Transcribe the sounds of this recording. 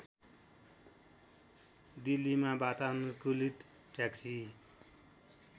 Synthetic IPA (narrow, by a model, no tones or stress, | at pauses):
d̪ilːimabat̪anukulit̪ | ʈaksi